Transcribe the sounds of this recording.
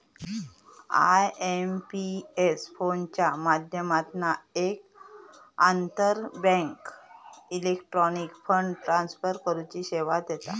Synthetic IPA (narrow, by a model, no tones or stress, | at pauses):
a̰jempiesfont͡ɕjamad̪ʱjəmat̪naek̚ | ant̪əɾbɛ̃ŋkilekʈɾɔnikfəɳɖʈɾansfəɾkəɾut͡ɕiːɕeʋat̪jet̪a̰